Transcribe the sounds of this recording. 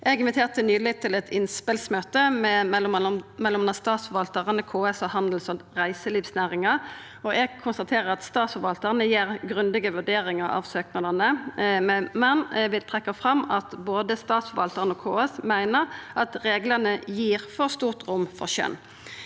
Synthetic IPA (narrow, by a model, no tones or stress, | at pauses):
ʔɛɡɪnʋɪt̪ʰeːʁt̪ənyːlɪt̪ʰɪlɛt̪ʰɪnspɪlsmøːt̪əmɛɔmɛlːɔmnɑst̪ɑːt̪sfɔʋɑlt̪əʁənəkʰoːɛsɔhɑnd̪l̩sɔʁæɪsəliːʋsnæːʁɪŋəʁ | ɔʔɛɡ̚kʰʊnst̪ɑt̪ʰeːʁəɾɑt̪st̪ɑːt̪sfɔʋɑlt̪əʁənəjiːʁɡʁʉnd̪ɪɡəʋʉɖ̪eːɾɪŋəɾɑ̰ʋsøːknɑd̪ənə | mɛnʋɪt̪ʰʁɛkːɑfʁɑmɑt̪boːd̪əst̪ɑːt̪sfɔʋɑlt̪əʁənɔkʰoːɛsmæɪnəʁʔɑt̪ʁeːɡləʁnəjiːʁfɔʁst̪uːʁt̪ʁʊmːfɔ̰ʁɕœ̰n